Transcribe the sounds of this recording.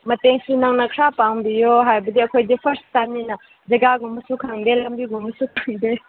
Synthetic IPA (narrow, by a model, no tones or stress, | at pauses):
mɐteŋsunɐŋnɐkʰɾapaŋbijoɦajbɐdiɐkʰojdipʰɐɾstaminɐ | d͡ʒɐɡaɡumbɐsukʰaŋdelɐmbiɡumbɐsukʰaŋde